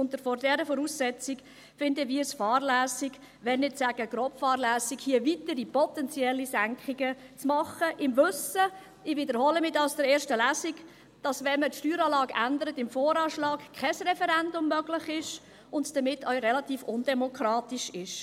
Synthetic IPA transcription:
ʊntəɾfɔrdɛɾəfɔɾuːsːɛt͡sɪk | fɪndəʋiːəsfɑːrlæːsiɡ | ʋɛnnɪtsæɡ̥əɡ̥ɾɔpfɑːɾlæːsikhiəʋitəɾipɔtɛnt͡sjɛlːisæŋkχiɡət͡smɑχəʔɪmvʏsə | ɪʋɪd̪əɾhɔləmɪːdɑlsd̥əɾɛːɾʃtəlæːsiɡ | d̥ɑsʋɛnmətʃtyːɾɑːlɑːɡʔændəɾətɪmfɔːɾɑːʃlɑːkkʰɛsrɛfɛɾændʊmːœɡlɪχɪʃ | ʊndd̥əmɪtʰːœʏɾɛlɑtiːfʊndɛmɔkχɾɑːtɪʃɪʃ

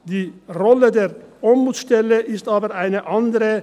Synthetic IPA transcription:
d̪̥iːʁɔləd̪eːʁɔmbuːt̪sʃt̪ɛlːəʔɪst̪ɑːbəɾaɪnəʔɑnd̪əɾə

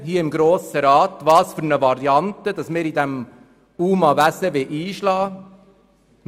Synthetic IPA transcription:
ɦiːəɪmɡɾoːsəɾɑːtvɑːsfyɾnəvɑɾiɑntəd̥ɑsmɪːɾidɛm | uːmɑvæsəʋeʔiːʃlɑː | n

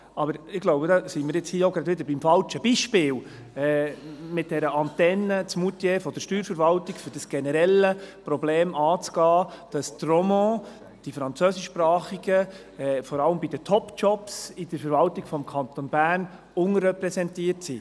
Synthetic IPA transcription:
ɑbəɾɪɡ̥lɔwbədɑsimɪːɾjɪt͡shiːəoʊɡɾɑdʋɪd̪əɾbimfɑlt͡ʃəbiʃpɪːl | ɛmɪt̚d̥ɛɾəʔɑnt̪ɛnːət͡smutjeːfɔd̥̪əɾʃtyːɾfəɾvɑltikfʏɾd̥ɑsɡ̥ɛnəɾɛləpɾɔbleːmɑːt͡sɡ̥ɑːd̥ɑstrɔmɑ̃ | d̥ifɾɑnt͡søːsɪʃːpɾɑːχiɡ̥ə | ɛːfɔɾɑləmbid̥ət̪ʰɔpt͡ʃɔpsid̥əɾfəɾvɑltiɡfɔmkʰɑnt̪ɔnbæːɾn | ʊnrɛpɾɛsɛntiːəɾtsi

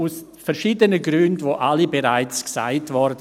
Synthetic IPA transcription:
usfɛɾʃiːdənəɡɾyndvoːʔalibeɾaɪt͡sksa̰ɪtvɔɾd

